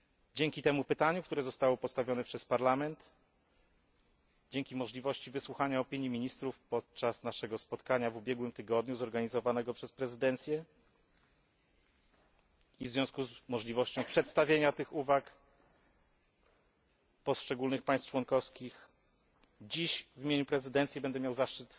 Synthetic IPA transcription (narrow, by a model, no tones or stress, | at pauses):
d͡ʑeŋkʲit̪ɛmupɘt̪aɲukt̪uɾɛzɔst̪awɔpɔst̪avʲjɔnɛpʂɛspaɾlamɛnt̪ | d͡ʑeŋkʲimɔʐlʲivɔɕt͡ɕivɘswuxaɲaɔpʲiɲjimʲiɲist̪ɾufpɔt̪̚t͡ʂasnaʂɛɡɔspɔt̪kaɲavubʲjɛɡwɘmt̪ɘɡɔd̪ɲuzɔɾɡaɲizɔvanɛɡɔpʂɛspɾɛzɘd̪ɛnt̪sʲjɛ | ivzvʲjɔ̃skuzmɔʐlʲivɔɕt͡ɕɔ̃w̃pʂɛt̪st̪avʲjeɲat̪ɘxuvak | pɔst͡ʂɛɡulnɘxpajst̪t͡ʂwɔnkɔfskʲix | d͡ʑiɕvʲimʲjeɲupɾɛzɘd̪ɛnt̪sʲjɛbɛnd̪ɛmʲjawzaʂt͡ʂɘt̪